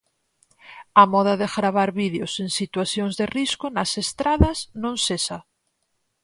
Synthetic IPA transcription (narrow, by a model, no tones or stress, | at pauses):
amɔðaðeɣɾaβ̞aɾβiðjoseŋsit̪waθjoŋzðeriskonasest̪ɾaðɐznõŋsesa